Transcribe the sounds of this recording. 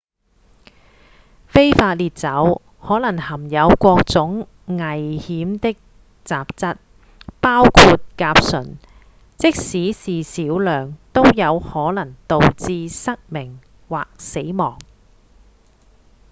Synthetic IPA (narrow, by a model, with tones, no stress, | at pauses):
fe˥jfaː˧t̚liː˨˧t̚t͡sɐ˨˥w | hɔː˨˥lɐ˨˩ŋhɐ˨˩mjɐ˨˧wkʷɔː˧k̚t͡sʊ˨˥ŋ | ŋɐ˨˩jhiː˨˥mt̪ɪ˥k̚ | t͡saː˨p̚t͡sɐ˥t̚ | paː˥wkʰuː˧t̚kaː˧p̚sɵ̰˨˩n | t͡sɪ˥k̚siː˨˥siː˨siː˨˥wlœː˨˩ŋt̪o˥wjɐ˨˧whɔː˨˥lɐ˨˩ŋt̪o˨wt͡siː˧sɐ˥k̚mɪ˨˩ŋ | waː˨k̚se˨˥jmɔː˨˩ŋ